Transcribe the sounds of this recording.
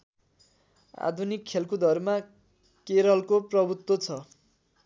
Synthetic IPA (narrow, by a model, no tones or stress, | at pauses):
a̰d̪ʱunikʰːelkud̪ʱʌrma | keɾʌlkoprʌbut̪wot͡sʰʌ